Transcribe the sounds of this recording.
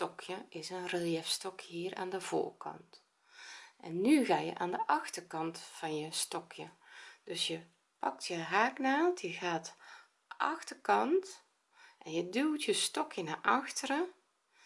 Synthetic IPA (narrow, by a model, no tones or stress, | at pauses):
tɔkʰjəɪsənrəliəfstɔkʰjəhiːrʔa̰ːndəv̥o̰ːrkʰɑ̰nt | ʔɛnːyɣaːjə̰ʔaːndəʔɑxtərkɑntfɑnjəstɔkʰjəd̥øsjə | pɑk̚tʰjəɦaːknaːtjəɣaːt | ʔɑxtərkɑnt | ɛnjədyltjəstɔkʰjənaʔɑxtərə